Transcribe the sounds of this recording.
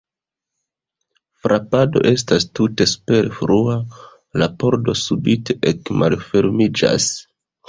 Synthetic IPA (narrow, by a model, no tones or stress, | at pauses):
fɾʔapado̞̰ʔe̞s̬tastute̞spe̞ɾefɾua | lapo̞ɾdo̞subite̞ʔekmalfe̞ɾmid͡ʒa̰s